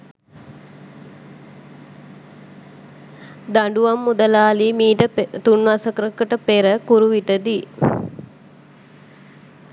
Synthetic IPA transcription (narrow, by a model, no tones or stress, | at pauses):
d̪aɳɖuʋamːud̪əlaːlimiːʈət̪unʋasəkɾəkəʈəpeɾəkuɾuʋiʈəd̪i